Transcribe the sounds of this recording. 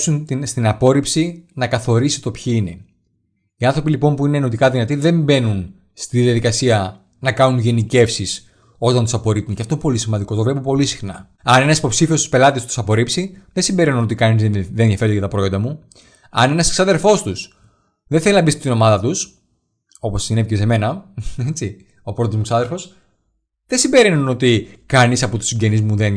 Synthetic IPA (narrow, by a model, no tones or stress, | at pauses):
sunt̪ist̪inɐpo̞ɾipsinɐkɐθo̞ɾisi̥t̪o̞pçiine̞ | iɐnθɾo̞pilipo̞mpuineːno̞t̪ikɐðinɐt̪iðe̞mbe̞nun | st̪iðijɐðikɐsiɐ | nɐkɐnunʝe̞nice̞fsis | o̞t̪ɐnt̪u̥sɐpo̞ɾip̚unceɐft̪oinepolisimɐnd̪iko̞t̪o̞vle̞popo̞lisi̥xnɐ | ɐne̞nɐsi̥po̞psifio̞st̪uspe̞lɐt̪ist̪u̥sɐpo̞ɾipsiðesimbe̞ɾinunot̪ikɐnizeðenðiɐfe̞ɾet̪kɐt̪ɐpɾojond̪ɐmu | ɐ̰ne̞nɐsksɐðe̞ɾfo̞st̪us | ðenθelinɐbist̪et̪ino̞mɐðɐt̪us | o̞po̞sinevicese̞me̞nɐet͡si | o̞pɾot̪ozmuksɐðe̞ɾfo̞s | ðesimbeɾinuno̞t̪ikɐnisɐpo̞t̪u̥siɲɟe̞nizmuðen